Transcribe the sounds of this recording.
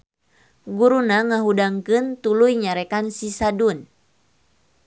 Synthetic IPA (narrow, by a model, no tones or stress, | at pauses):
ɡuɾunaŋaɦudaŋkɨnt̪ulujɲaɾɛkansisadun